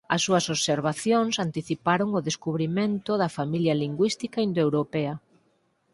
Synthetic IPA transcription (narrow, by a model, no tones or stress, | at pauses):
ɐsːuɐsoβseɾβ̞aθjoŋsant̪iθipaɾoŋʊðeskuβɾimẽnt̪ʊðɐfamiljɐliŋɡwist̪ikaind̪oewɾopɛɐ